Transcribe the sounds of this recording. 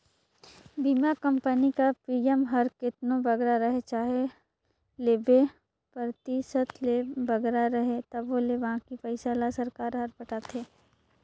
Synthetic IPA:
biːmakɐmpənikapiːɛmɦɐɾkɪt̪nõbɐɡɾaɾɐɦet͡ʃaːɦe | leːbe | pəɾt̪isət̪ʰlebɐɡɾaɾɐɦet̪ɐbʋoleʋɐɦãkipɐɪsaːlasɐɾkaːɾɦɐɾpɐʈaːt̪ʰeː

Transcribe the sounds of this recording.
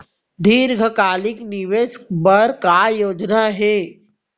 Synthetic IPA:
d̪iːɾɡʱəkaːlɪkniʋeskbəɾkajoːd͡ʒnaɦeː

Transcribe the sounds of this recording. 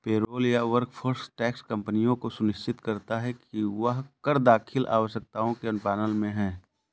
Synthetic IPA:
peːɾoːljaʋəɾkfʰoɾsʈɛːkskɐ̃mpənijõkosʊnɪʃt͡ʃɪt̪kɐɾt̪aɦɛkiʋɐɦkəɾd̪aːkʰɪlʔa̰ːʋəʃjək̚t̪aːõkeʊnpɛːnəlmẽɦɛ̃ː

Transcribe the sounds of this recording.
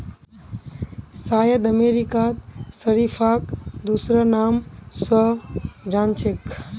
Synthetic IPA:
saːjəd̪ɐmeːɾikaːt̪səɾifʰaːkd̪uːsɾanaːmsɔd͡ʒaːnt͡ʃɪk

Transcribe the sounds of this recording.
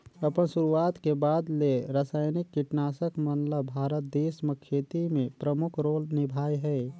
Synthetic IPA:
əpənsuɾuaːt̪kebaːd̪leɾasaːjnikːiʈnaːsəkmənləbbʱaːɾət̪̚d̪eːsməkʰːeːt̪imẽpɾəmʊkʰɾoːlnɪbʱaːjɦɛː

